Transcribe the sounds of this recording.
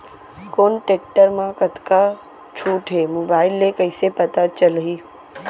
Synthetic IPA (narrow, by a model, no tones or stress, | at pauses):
koːnʈek̚ʈəɾmãkɐt̪ka | t͡ʃʰuːʈɦeːmoːbaːɪlːekɐɪsepɐt̪at͡ʃɐlɦiː